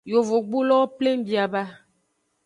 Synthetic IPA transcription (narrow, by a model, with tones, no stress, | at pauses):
jo˨vo˨ɡ͡bu˦lɔ˦ple˦m˦bi˨a˨ba˦